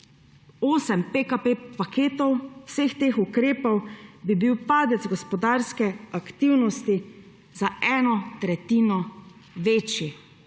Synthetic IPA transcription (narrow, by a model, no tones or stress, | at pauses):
oːsɛmpekapepakeːt̪ɔwsext̪eːxukɾeːpɔwbibiwpaːd̪ɛd̪zɡɔspɔd̪aːɾskɛakt̪iwnɔst̪i | zaʔɛːnɔt̪ɾɛt̪iːnɔ | ʋeːt͡ʃji